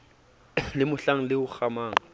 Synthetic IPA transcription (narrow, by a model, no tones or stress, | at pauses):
lɪmʊɬaŋ̩lɪʊk͡xamaːŋ̩